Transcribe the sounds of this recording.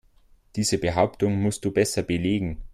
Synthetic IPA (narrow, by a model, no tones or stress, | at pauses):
d̥iːzəbəɦaʊptʊŋmʊst̚d̥uːbɛsɐbəleːɡŋ̩